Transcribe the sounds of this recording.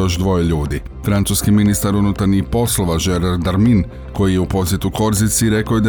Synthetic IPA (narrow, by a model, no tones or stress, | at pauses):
o̞ʒd̪ʋo̞jeʎuːd̪i | fɾant̪suskiminist̪aɾunut̪aɾɲixpo̞slˠo̞ʋaʒe̞ɾaɾd̪aɾmin | ko̞jijeupo̞sje̞t̪uko̞ɾzit̪siɾe̞kojed̪